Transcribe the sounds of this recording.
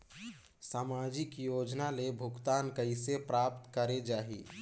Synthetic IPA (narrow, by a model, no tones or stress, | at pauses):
saːmad͡ʒɪkjoːd͡ʒnalebʱʊkt̪aːnkəisepɾaːpt̪kəɾed͡ʒaːɦḭ